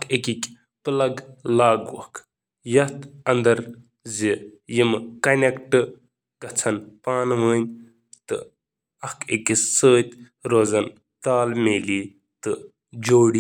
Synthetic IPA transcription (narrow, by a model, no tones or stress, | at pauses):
ɐkʰekʲikʲ | pɨlɐɡlaːɡwɐ̰k | jɐht̪ɐnd̪ɐɾ | zijimkɐnʲekʈɨ | kɐt͡sʰɐnpaːnʋəːnʲ | t̪ɨ̰ | ɐkʰekʲisəːt̪ʲ | ɾoːzɐn | t̪aːlmeːliː | t̪ɨ | d͡ʒoːɽi